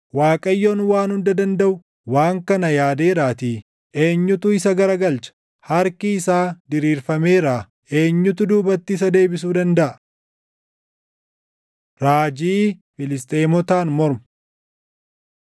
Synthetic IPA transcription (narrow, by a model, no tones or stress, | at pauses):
waːkʼɐjːonwaːnhʊnd̪ɐd̪ɐnd̪ɐʔʊ | waːŋkɐnɐjaːd̪eːɾaːt̪iː | ʔe̞ːɲːʊt̪ʊɪsɐɡɐɾɐɡɐlt͡ʃɐ̥ | hɐɾkiɪsaːd̪ɪɾiːɾfɐmeːɾaː | e̞ːɲːʊt̪ʊd̪uːbɐt̪ːɪːs̬ɐd̪e̞ːbɪs̬uːd̪ɐnd̪ɐʔɐ | ɾaːd͡ʒiːfɪlɪst̪ʼeːmɔt̪aːnmɔɾmʊ̥